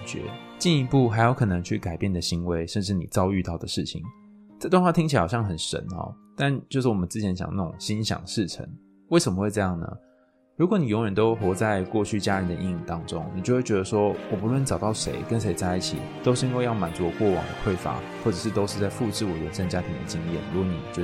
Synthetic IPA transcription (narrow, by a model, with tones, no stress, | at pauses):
t͡ɕɥɛ̰˧˥t͡ɕi˥˩ni˧˥pu˥˩xa˧˥ɪjo˧ʊkʰɤ˨˩nɤ˧˦ŋt͡ɕʰy˥˩ka˨˩ɪpjɛ˥˩nd̪ə˩ɕi˧˥nwe˧˥ɪʂə˥˧nʈ͡ʂɻ̩˥˩ni˨˩t͡sɑ˥ʊy˥˧t̪ɑ˥˩ʊd̪ə˩ʂɻ̩˥˩t͡ɕʰḭ˨˩˦ŋ | t͡sa˥˧t̪wŋwɑ˥˩t̪ʰi˥ŋt͡ɕʰi˨˩a˥˨˩jɑ˥˩ŋxə˨˩nʂə̰˧˥nxɔ̰˨˩t̪a˥˧nt͡ɕjo˥˧ʊʂ̬ɻ̩˥˩wɔ˨˩mə˦t͡sɹ̩˥˩t͡ɕʰjɛ˧˥nɕjɑ̰˨˩ŋna˥˩ʈ͡ʂʊ̰˨˩ŋɕi˥nɕjɑ̰˨˩ŋʂɻ̩˥˩ʈ͡ʂʰə̰˧˥˦ŋ | we˥˩ɪʂə˨˩mə˦xwe˥˧ʈ͡ʂɤ˥˧jɑ˥˩ŋnə̰˩ | ɻu˧˥kwɔ˨˦ni˨˩jo˧˥ŋɥɛ˧˥nt̪o˥ʊxwɔ˧˥t͡sa˥˧ɪkwɔ˥˧t͡ɕʰy˥˩t͡ɕja˥ɻə˧˦˥nd̪ə˨˧ʔḭ˥˧ŋi˥˩t̪ɑ˥ŋʈ͡ʂʊ˦ŋni˨˩t͡ɕo˥˧xwe˥˩t͡ɕɥɛ˧˥ə˧ʂwɔ˥wɔ˨˩pu˧˥lwə˥˩nʈ͡ʂɑ˨˩ʊt̪ɑ˥˩ʊʂḛ˧˥ɪkə˦˥nʂ̬e˧˥ɪt͡sa˥˧ɪi˥˩t͡ɕʰḭ˨˩t̪o˥ʊʂ̬ɻ̩˥˩i˥ŋwe˥˧ɪjɑ˥˩ʊma˨˩nt͡su˧˦wkwɔ˥˩wɑ̰˨˩ŋd̪ə̰˦kʰwe˥˩ɪfa̰˧˥˦ | wɔ˥˩ʈ͡ʂɤ˨˩ʂɻ̩˥˩t̪o˥ʊʂɻ̩˥˧t͡sa˥˧ɪfu˥˧ʈ͡ʂɻ̩˥˩wɔ˨˩ɥɛ˧˦˥nʂa˥˧nt͡ɕja˦˥t̪ʰi˨˥ŋd̪ə˨t͡ɕi˥ŋjɛ̰˥˩nɻu˧˥ɡwɔ˧˦nḭ˨˩t͡ɕjo˥˧ʊ